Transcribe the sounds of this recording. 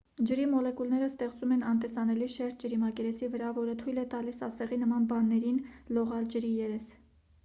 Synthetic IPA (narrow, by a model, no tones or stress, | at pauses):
d͡ʒəɾimɔlɛkulnɛɾəst̪ɛχt͡sumɛnɑnt̪ɛsɑnɛliʃɛɾt̪̚ʰd͡ʒəɾimɑkɛɾɛsivəɾɑvɔɾət̪ʰujlɛt̪ɑlisɑsɛʁinəmɑnbɑnːɛɾinlɔʁɑld͡ʒəɾijɛɾɛs